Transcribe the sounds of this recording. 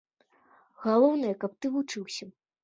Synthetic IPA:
ɣalˠɔwnɐjɐkɐp̚t̪ɨvut͡ʂɨwsʲɐ

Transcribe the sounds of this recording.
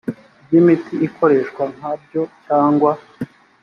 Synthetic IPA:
bjimitiikʰo̞ɾe̞ʃkwaŋ̥ab̚jo̞caːŋɡwa

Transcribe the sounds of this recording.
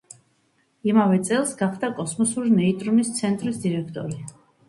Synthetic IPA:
imavɛt̪sʼɛlˠsɡaχd̪akʼɔsmɔsuɾinɛit̪ʼɾumist̪sʰɛnt̪ʼɾisd̪iɾɛkʰt̪ʼɔ̰ɾi

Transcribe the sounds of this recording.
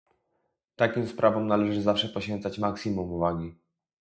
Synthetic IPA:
t̪akʲimspɾʔavɔmnalɛʐɘzafʂɛpɔɕfʲɛnt̪sat͡ɕmaksʲimumuvaɡʲi

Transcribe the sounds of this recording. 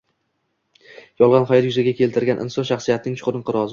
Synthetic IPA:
jɒlˠʁɑnχɒjɾjʊzaɡʲakʲʰe̞lt̪ʰɪɾɡʲanʔɪ̰nsɒnʃaχsijat̪ɪnɪŋt͡ʃʰʊ̥qʊɾɪnqɨɾɒz

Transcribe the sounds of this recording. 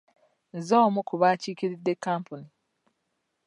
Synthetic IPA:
n̩zɔmukuβat͡ʃikiɾidːekampuni

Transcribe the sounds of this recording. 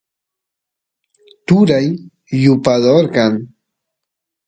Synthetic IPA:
t̪ʊɾajː | ʊpad̪oɾkɑŋ

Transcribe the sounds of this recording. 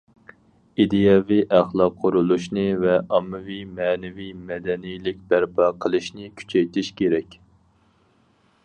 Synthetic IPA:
id̪ejɑviʔæχlˠɑqʰːoɾulˠuʃnɨvɛʔɑmːɨvijmɛnɛvimɛd̪ɛnijlɪk̚ʲb̪æɾpʰɑqʰəlˠɨʃnɨkʲʰy̥t͡ʃʰɛjt̪ʰɪʃkʲeɾɛkʲ

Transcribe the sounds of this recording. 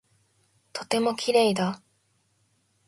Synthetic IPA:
t̪ʰo̞t̪e̞mo̞kʲiɾe̞ːid̪a

